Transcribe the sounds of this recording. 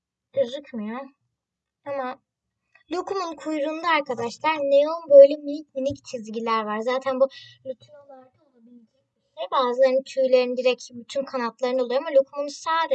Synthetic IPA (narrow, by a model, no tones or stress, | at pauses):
ɯzɯkmɯjo | ama | lʲukʰumunkʰujɾund̪aaɾkʰad̪aʃlˠaɾnejonbø̞jlʲɛminʲicminict͡ʃʰizɟilʲæɾvaɾzaːt̪ʰænbumʲyt̪ʰyɾolˠaɾd̪aabind͡ʒʰibiʃɛjbaːzlˠaɾɯnt͡ʃ̪ʰyjlʲeɾind̪iɾɛcbyt̪ʰymkʰanat̪lˠaɾɯnɯolˠujamalʲokʰumunsaːd̪e